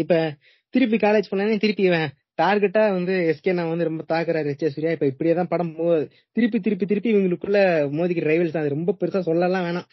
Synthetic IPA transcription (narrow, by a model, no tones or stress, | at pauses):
ɪpːoː | t̪ɪɾɯp̬ːikaːled͡ʒpɐɳːɐneːt̪ɪɾɯpːiɛʋẽː | ʈaːɾɡɛʈːaːʋɐnd̪ɯɛskeːnãːʋɐnd̪ɯɾɔmbɐt̪aːkɯɾaːɾɾɛt͡ʃːɐsʊɾɪjaːɪpːoːɪpːɐɽɪjeːt̪ãːpɐɽɐmpoðɯ | t̪ɪɾɯp̬ːit̪ɪɾɯpːit̪̬ɪɾɯpːiʋiŋɡɐɭɯkːɯɭːɐmoːðɪk̬ʲːɪɾɐɾɐɪʋɐlst̪ãːɐðɯɾɔmbɐpɛɾɯsaːsɔlːɐlãːʋeːɳãː